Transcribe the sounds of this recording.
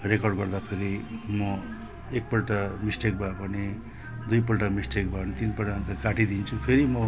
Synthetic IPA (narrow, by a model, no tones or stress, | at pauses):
rekʌrɖɡʌrd̪apʰeɾimʌ | ek̚pʌlʈamisʈek̚bʱabʌni | d̪ujpʌlʈamisʈek̚bʱanit̪inpʈant̪akaʈid̪int͡sʰupʰeɾimʌ